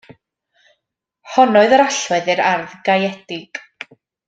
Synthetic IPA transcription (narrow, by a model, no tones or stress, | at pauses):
hɔnɔɨðəɾaɬwɛðɨɾarðɡajɛdɪɡ̥